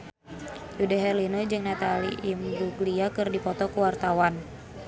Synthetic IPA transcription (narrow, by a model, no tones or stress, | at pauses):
judaɦɛrlinod͡ʒɨŋnat̪aliʔimɾuɡliakɨrdipɔt̪ɔkuwart̪awan